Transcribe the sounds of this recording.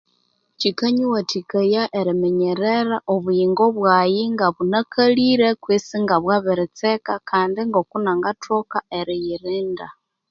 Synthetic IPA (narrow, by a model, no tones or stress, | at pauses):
t͡ʃikaɲiwatikajaʔeɾimeɲeɾeɾaʔoβujiŋɡoβwajiŋɡaβunakʰaliɾekwisiŋɡaβwaβiɾit͡sekakʰaːndiŋɡokunaŋɡatʰokaeɾijiɾiːnda